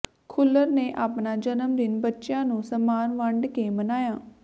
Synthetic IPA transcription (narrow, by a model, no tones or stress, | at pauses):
kʰʊlːəɾneːʔaːpnaːd͡ʒənəmd̪ɪnbətːʃjãːnũːsəmaːnʋə̃ɳɖkeːmənaːjaː